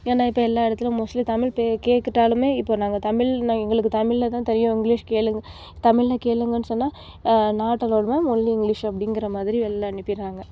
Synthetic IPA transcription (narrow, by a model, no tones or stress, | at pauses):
eːnãːɪpːoːɛlːaːɪɽɐt̪ːɪlʊ̃mʊslit̪ɐmɪɭpekeːʈkːɪʈːaːlɯmeːɪpːoːnaːŋɡɐt̪ɐmɪɭnaɛŋɡɐɭɯkːɯt̪ɐmɪɭlɐt̪ãːt̪ɛɾɪjõɪŋɡliʂkeːlɯŋɡɐ | t̪ɐmɪɭlɐkeːɭɯŋɡɐnːɯsɔnːaː | naːʈːɐloːɽɐmaːmʊlliɪŋɡɭɪʂɐpːɐɽɪŋɡɪɾɐmaːðɪɾiɛlːɐɐɳɪpːɪɾaːŋɡɐ